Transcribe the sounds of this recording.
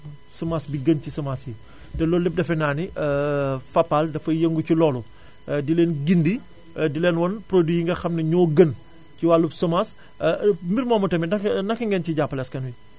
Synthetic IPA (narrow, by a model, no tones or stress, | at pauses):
sɐmaːsbiɡɐncisɐmaːsji | dɛlɔːlɛp̚dɐfɛnaːniʔfɐpːaldɐfɐjɐŋɡucilɔːlu | dilɛːnɡindi | dilɛːnwɔnpɾodwijiŋɡɐxɐmnɐɲɔːɡɐən | ciwalubsɐmaːs | mbiɾmɔːmɐtɐminɐnɐkːɐŋɡɛnciɟapːɐlɛskɐnwi